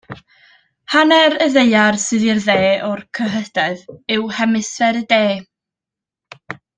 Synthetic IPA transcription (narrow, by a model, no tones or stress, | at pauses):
hanɛɾəðejarsɨðirðeːɔrkʰəɦəd̥aɨðɨwhɛmɨsvɛɾədeː